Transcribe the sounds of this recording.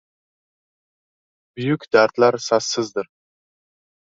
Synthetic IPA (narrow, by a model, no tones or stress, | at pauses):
bʊjʊkʲd̪aɾt̪laɾsasːɪzd̪ɪɾ